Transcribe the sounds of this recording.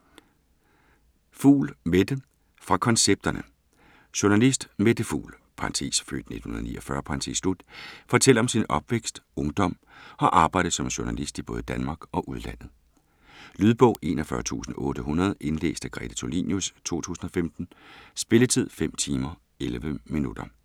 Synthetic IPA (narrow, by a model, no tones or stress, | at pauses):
fṵːlmed̥ə | fʁɑ̈kʰɒ̽nseb̥̚d̥ɐnə | ɕoɐnælisd̥med̥əfṵːl | pʰɑnt͡sʰḛːsfø̰ːd̥n̩e̝d̥hunɐðˠnḭːɒfɶɐpʰɑ̈nt͡sʰḛslud̥fɒ̽t͡sʰel̰ɒ̽msinɒ̽b̥ʋeɡ̥sd̥ɔ̽ŋd̥ɒ̽m̰ | ɒ̽ʔɑ̈ːb̥ɑ̈ɪ̰d̥̩ˠsɒ̽mɕunælisd̥ib̥ɔ̽ːð̩ˠd̥ænmɑ̈ːɡ̥ɒ̽ʔuð̞ˠlæn̰ð̞̩ˠ | lyð̞ˠb̥ɔʊ̰ʔe̝̰ːnɒfɶːɐt͡sʰṵːsn̩ɔ̽ːɾ̥əɦunɐð̞̩ˠʔe̝nlḛːsd̥æɡ̥ʁɛ̰d̥æt͡sʰolḭːnjust͡sʰo̝̰ːt͡sʰṵːsn̩ɒ̽femd̥n̩sb̥e̝lət͡sʰið̞̰ˠfem̰t͡sʰiːmɐ | elʋəminud̥ɐ